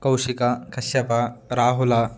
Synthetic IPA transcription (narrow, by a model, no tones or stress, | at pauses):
kɐwʃikakɐɕjɐpɐɾaːɦulɐ